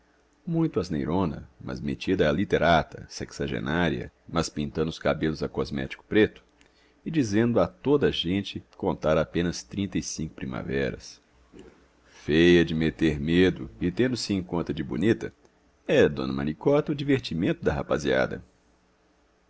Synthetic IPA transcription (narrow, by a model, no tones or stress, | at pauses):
mũj̃t̪ʊɐznejɾõnɐ̰mɐ̰zmḛt͡ʃid̪ɐːlit̪eɾat̪ɐsɛksaʒḛnaɾiɐ̰mɐspĩnt̪ɐ̃nd̪ʊskabelʊzɐkɔzmɛ̰t͡ʃi̥kʊ̥pɾet̪ʊ̥ | ɪd͡ʒizẽnd̪ʊat̪od̪ɐʒẽnt͡ʃɪkõnt̪aɾapẽnɐst̪ɾĩnt̪ɐisĩkʊ̥pɾima̰vɛɾɐ̰s | fejɐd͡ʒɪmet̪eɾmed̪ʊɪt̪ẽnd̪ʊsɪẽkõnt̪ɐd͡ʒɪbṵnit̪ɐ | ɛd̪õ̰nɐ̰mɐ̰nikɔt̪ɐʊd͡ʒiveɾt͡ʃimẽnt̪ʊd̪ɐɦapazia̰d̪ɐ̰